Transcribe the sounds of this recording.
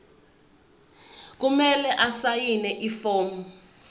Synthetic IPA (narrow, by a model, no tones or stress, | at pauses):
k̬umɛlɛʔasajinɛʔifoːmɔ